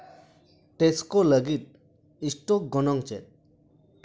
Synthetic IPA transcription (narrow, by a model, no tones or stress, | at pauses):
t̪eskoləɡit̪̚ | isʈɔk̚ɡɔnɔŋt͡ʃɛt̪̚